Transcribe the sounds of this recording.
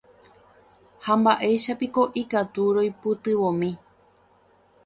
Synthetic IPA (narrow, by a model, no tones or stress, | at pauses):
hambaʔe̞jʃapiko̞ʔikat̪uɾo̞jpɨt̪ɨʋõmĩ